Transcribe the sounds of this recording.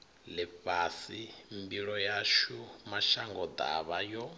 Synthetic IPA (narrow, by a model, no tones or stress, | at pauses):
lɛɸasimbiɺɔjaʃumaʃaŋɡɔd̪a̰βajɔ